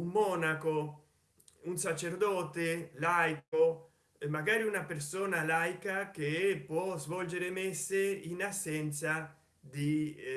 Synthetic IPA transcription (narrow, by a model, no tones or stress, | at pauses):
umːɔnako | unsat͡ʃeɾd̪ɔt̪elajko | maɡaːɾiunapeɾsoːnalajkakepwɔzvɔld͡ʒeɾemeɛsːeinasːɛnt̪sa | d̪i